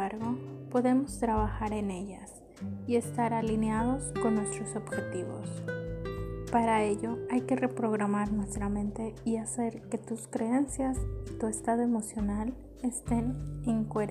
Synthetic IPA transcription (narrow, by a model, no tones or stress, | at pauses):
aɾɣo̞po̞ðe̞mo̞st̪ɾaβaxaɾe̞ne̞ʎas | ie̞st̪aɾalinjaðo̞sko̞nːwest̪ɾo̞so̞βxe̞t̪iβo̞̰s | paɾae̞ʝo̞ajke̞re̞pɾo̞ɣ̞ɾamaɾnwest̪ɾamẽnt̪e̞iase̞ɾke̞t̪uskɾe̞e̞nsjasit̪ue̞st̪að̞o̞e̞mo̞sjo̞nal | e̞st̪e̞neŋkoeɾ